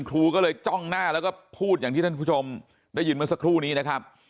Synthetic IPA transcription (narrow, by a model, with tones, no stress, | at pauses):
nkʰɾuː˧kɔː˥˩lɤː˧jt͡ɕɔ˥˩ŋnaː˥˩lɛː˦˥wkɔː˥˩pʰuː˥˩t̪̚jaː˨˩t̪ʰiː˥˩a˥˩pʰu˥˩o˧m | da˥˩jːɯː˧nmɯ˧sa˧kʰɾuː˥˩niː˦˥na˦˥kʰa˦˥p̚